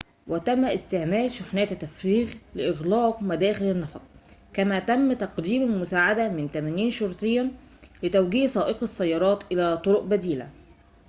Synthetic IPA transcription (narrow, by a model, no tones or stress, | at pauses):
wɪt̪æmːæʔɪst̪eʕmæːlʃʊħnæːt̪t̪ːæfɾiːɣlɪʔɪɣlɑːqmæd̪æːxɪlɪnːɑft̪̚ˤkæmæːt̪æmːt̪ɑqd̪iːmɪlmʊsaːʕad̪æmɪnt̪æmæniːnʃoɾˤt̪ˤɨjːæ | lɪt̪æwɡiːhsˤɑːʔɪqɑsːæjːɑɾˤɑːt̪ʔɪlæːt̪ˤoɾoʔbæd̪iːlæ̰